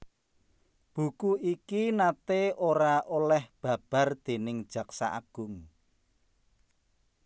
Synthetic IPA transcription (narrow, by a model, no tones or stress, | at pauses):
b̥ṳkuikinat̪eoɾaʔolɛhb̥ä̤b̥ä̤rd̪̥e̤nɪŋ̥ʒ̥ä̤ksa̰ʔa̰ɡ̥ʊŋ